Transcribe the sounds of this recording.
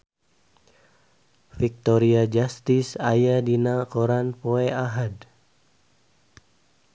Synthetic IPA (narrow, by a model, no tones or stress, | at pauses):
fik̚t̪ɔɾiad͡ʒast̪isajadinakoɾanpoeaɦad